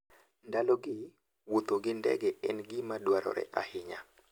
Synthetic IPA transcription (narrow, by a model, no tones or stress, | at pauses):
ndaloɡɪ | wot̪oɡɪndɛ̰ɡɛʔɛnɡɪmadwaɾɔ̰ɾɛ̰ʔa̰hɪɲa